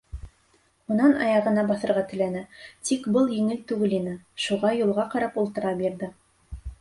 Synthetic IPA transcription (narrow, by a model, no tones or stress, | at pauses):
unɑnɑ̰jɑʁɤ̆nɑbɑθɤ̆ɾʁɑt̪ɵ̆lænæt̪ikbɤlˠjɘ̆ŋɘlt̪ʉɡɘlinɘʃuʁɑjulˠʁɑqɑɾɑpulˠt̪ɤ̆ɾɑbiɾðɘ